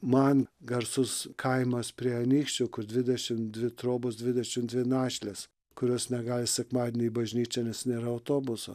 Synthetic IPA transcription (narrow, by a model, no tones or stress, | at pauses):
mɐnɡɐɾsʊskʰɐɪmɐspʲɾʲiɛɐnʲiːkʃʲt͡ʃʲʊkʊɾd̪ʲʋʲɪd̪ʲɛʃʲɪmd̪ʲʋʲɪt̪ɾoːbʊsdʲʋʲɪd̪ʲɛʃʲɪmd̪ʲʋʲɪnɑːʃʲlʲes | kʊɾʲoːsnʲɛɡɑːlʲɪsʲɛkmɑːd̪ʲenʲiːbɐʒʲnʲiːt͡ʃʲɛnʲɛsnʲeːɾɐɐʊt̪oːbʊso